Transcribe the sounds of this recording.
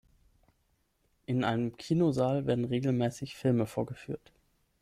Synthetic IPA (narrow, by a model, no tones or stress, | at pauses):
ʔɪnʔa̰ɪnəmkʰiːnozaːlveːɐdn̩ʁeːɡl̩mɛːsɪçfɪlməfoːɐɡəfyːɐt